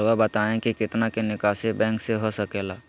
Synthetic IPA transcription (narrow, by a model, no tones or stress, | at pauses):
ʋabət̪aːẽkikɪt̪nakenɪkaːsebɛ̃ːŋkseɦosəkeːlaː